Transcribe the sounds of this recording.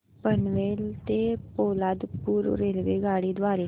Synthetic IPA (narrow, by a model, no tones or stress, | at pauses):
pənʋelt̪epolad̪puːɾɾelʋeɡʱaɽiːd̪ʋaɾe